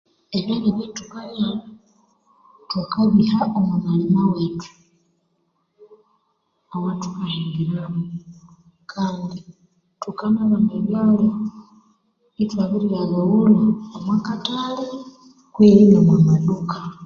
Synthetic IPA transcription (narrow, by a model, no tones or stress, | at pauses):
enaɾiβetuβaja | twakaβihaomunanimaweːtu̥ | awatu̥kahiːŋɡiɾaho | kʰaːndi | tukanaβandeβjaːle | itwaβiɾialaɣuluamwakatale | kweɾinomwamaduka